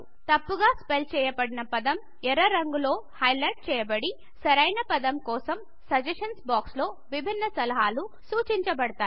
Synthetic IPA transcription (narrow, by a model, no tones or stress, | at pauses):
t̪ɐpːuɡaːspelt͡ʃɛːjɐpɐɽinɐpɐd̪ɐm | ɛɾɐɾɐŋɡulo̞ːhɐjlɐjʈ̚t͡ʃɛːjɐbɐɽi | sɐɾɐjnɐpɐd̪ɐmkɔːsɐm | sɐd͡ʒɐʂɐnsbaːkslo̞ː | ʋibʱinːɐsɐlɐɦaːlu | suːt͡ʃiɲt͡ʃɐbɐɽɐt̪aːji